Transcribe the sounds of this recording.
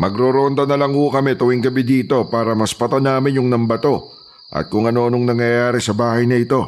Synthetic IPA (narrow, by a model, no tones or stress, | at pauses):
mɐɡɾoɾoːnd̪ɐnɐlɐŋhʊkɐmɛt̪ʊwɪŋɡɐbid̪iːt̪o̞paːɾɐmɐspɐt̪ɐnaːmɪnjʊŋnɐmbɐt̪o̞ | ʔɐ̰t̪̚kʊŋɐno̞ɐnoŋnɐŋjɐjaːɾɪsɐbaːhɐjnɐɪt̪o̞